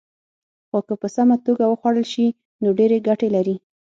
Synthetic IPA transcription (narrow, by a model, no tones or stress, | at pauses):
xokəpəsamat̪oɡawəxwaɽəlʃi | noɖeɾeɡaʈelaɾi